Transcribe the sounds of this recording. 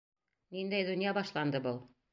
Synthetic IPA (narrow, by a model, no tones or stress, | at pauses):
nind̪æjd̪ɵ̆njɑbɑʃlˠɑnd̪ɤbɤlˠ